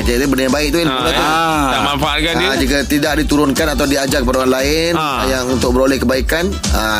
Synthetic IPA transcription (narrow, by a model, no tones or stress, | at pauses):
d͡ʒat̪ubənabaɪʔ̚t̪uinulat̪u | aʔmanfaat̪̚kanid͡ʒikat̪idaʔ̚dit̪uɾʊnkanat̪awdiad͡ʒakəpadaoɾanlaɪ | n | jaŋunt̪ʊk̚bəɾolɛhkəbaikan | ə